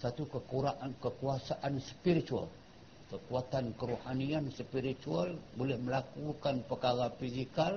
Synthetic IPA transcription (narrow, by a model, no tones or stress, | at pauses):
sat̪ukəkuɾaʔankəkuasaʔanspiɾit̪ua̰l | kəkuat̪ankəɾuhaniansəpiɾit̪ualbolɛhməlakukanpəkaɾafizikal